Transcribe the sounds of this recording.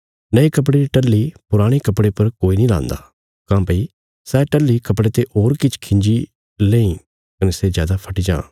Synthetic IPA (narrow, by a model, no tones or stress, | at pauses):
nɐikɐp̬ɽeɾiʈɐlːipʊɾaːɽ̃ekɐpɽepɐɾkoːinĩlã̰ːnd̪a̰ː | kãːpɐi | sɛːʈɐlːikɐpɽet̪eʔoːɾkɪt͡ʃʰkʰɪ̃ɲd͡ʒi | lẽːĩ | kɐnɛsezja̰ːd̪apʰɐʈid͡ʒã̰ː